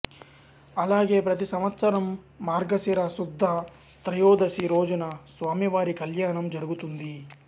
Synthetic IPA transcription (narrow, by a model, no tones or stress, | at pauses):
ɐlaːɡe̞ːpɾɐt̪isɐmɐt̪sɐɾɐmː | aːɾɡɐsiɾɐsud̪ʱːɐ | t̪ɾɐjoːd̪ɐsiɾoːd͡ʒɐnɐsʋaːmjɐʋaːɾikɐljaːnɐmd͡ʒɐɾuɡut̪und̪i